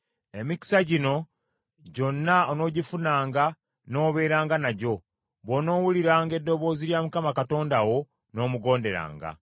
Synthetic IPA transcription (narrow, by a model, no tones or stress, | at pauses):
e̞mici̥saɟino̞ | ɟo̞nːaono̞ːɟifunaːŋɡa | no̞ːβe̞ːɾaːŋɡanaɟo̞ | βono̞ːwuliɾaːŋɡe̞dːo̞βo̞ːziljaːmukamakato̞ːndawo̞ | no̞ːmuɡo̞ːnde̞ɾa̰ːŋɡa̰